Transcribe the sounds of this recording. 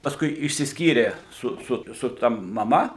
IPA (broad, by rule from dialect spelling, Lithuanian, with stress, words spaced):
pɐsˈkʊɪ ɪʃʲsʲɪsʲˈkʲiːrʲeː ˈsʊ ˈsʊ sʊ ˈtɐ mɐˈmɐ